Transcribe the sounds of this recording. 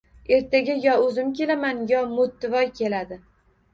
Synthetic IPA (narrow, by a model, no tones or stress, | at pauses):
e̞ɾt̪ʰaɡʲajɒɵzɪmkʲelamanjɒmʊt̪ːɪvɒjkʲʰe̞lad̪ɪ